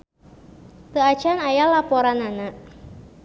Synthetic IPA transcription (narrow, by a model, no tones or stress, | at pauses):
t̪əḁt͡ʃanajalapɔɾanana